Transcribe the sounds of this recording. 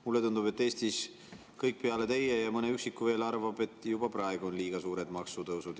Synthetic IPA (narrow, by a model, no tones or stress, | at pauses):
mulːe̞t̪und̪ube̞t̪ːe̞ːst̪is | kɤjk̚ːˑpe̞ɑle̞t̪ejejɑmɤne̞yksikːuve̞ːlɑrvɑb̥e̞t̪ːˑjub̥ɑprɑe̞ɡ̥uo̞nliːɡ̥ɑsuːɾe̞d̪̥mɑksut̪ɤwsud̪̥